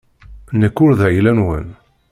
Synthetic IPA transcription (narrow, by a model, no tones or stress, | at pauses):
nəkːʊɾðʕilænwə̰n